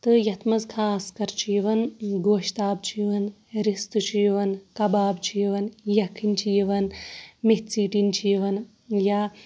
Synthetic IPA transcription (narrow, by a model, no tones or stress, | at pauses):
t̪ɨjɐt̪ʰmɐzkʰaːskɐɾt͡ʃʰiːʋɐnɡoːʃt̪aːb̚t͡ʃʰiːʋɐn | ɾist̪ɨt͡ʃʰiːʋɐnkɐbaːbt͡ʃʰiːʋɐnjɐkʰːint͡ʃʰiːʋɐnmet̪t͡siːʈint͡ʃʰiːʋɐn | ja